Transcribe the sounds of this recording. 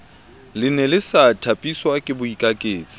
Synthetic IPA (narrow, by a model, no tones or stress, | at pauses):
lɪnɛlɪsatʰapʼiswakʼɪbʊikʼakʼeːt͡sʼi̥